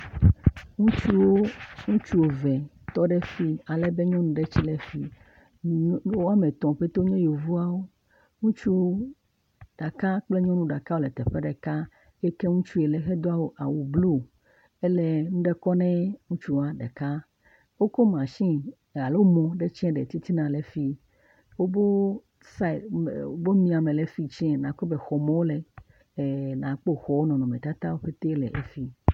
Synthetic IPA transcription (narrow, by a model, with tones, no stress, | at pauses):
ŋũ˦t͡ʃu˦wo˦ŋũ˦t͡ʃu˦wo˨vɛ˨ | t̪ɔ˦ɖɛ˦fi˦a˨lɛ˦be˦ɲɔ̃˦nũ˨ɖe˦t͡ɕi˦lɛ˨fi˨ | o˦a˦mɛ̃˨t̪ɔ̃˨ɸe˦t̪o˦ɲɛ̃˦jo˨vu˦a˦wo˦ | ŋũ˦t͡ʃu˦wo˦ | ɖ̥a˨ka˦k͡ple˦ɲɔ̃˦nũ˦ɖa˨ka˦wo˦˨lɛ˨t̪ɛ˨ɸɛ˦ɖɛ˨ka˦ | jɛ˦kɛ˦ŋũ˦t͡ʃu˦e˨lɛ˨xɛ˦d̪o˦a˦wo˦ʔa̰˨wu˨blu˦˨ | e˦le˦ŋ̩̃˦ɖɛ˦kɔ˦nɛ̃˦ŋũ˦t͡ʃu˦a˦ɖḛ˨ka˦ | wo˦ko˦mã˨ʃĩ˦ | ɣa˨lo˦mɔ̃˨ɖe˦t͡ʃɛ̃˦ɖḛ˨t̪i˦t̪i˦nã˨le˨fi˦ | wo˦bo˦ | sa˦˨o˦bo˦mĩ˨a˨mẽ˨le˨fi˦t͡ʃɛ̃˦nã˨ko˦be˨xɔ˨mɛ̃˦wo˦le˨ | nã˨k͡po˦xɔ˨wo˦nɔ̃˨nɔ̃˨mɛ̃˨t̪a˦t̪a˦wo˦ɸe˦t̪e˦lɛ̰˨ʔe˦fi˦